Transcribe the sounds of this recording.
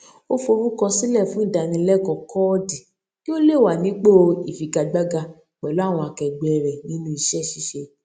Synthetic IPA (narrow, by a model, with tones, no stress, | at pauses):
o˦fo˧ɾu˦kɔ˧sĩ˦lɛ˦˨fũ˦da˧nĩ˧˦lɛ˦˨kɔ̃˨kɔ˦di˨ | ki˦o˦le˦˨wa˨nĩ˨˦k͡po˦i˨fi˨ɡa˧ɡ͡ba˦ɡa˧ | k͡pɛ˨lo˨˦a˦˨w̃ɔ̃˧a˧kɛ˧ɡ͡bɛ˨˧ɾɛ˨nĩ˨˦nũ˦i˧ʃɛ˦˨ʃi˧˦ʃe˧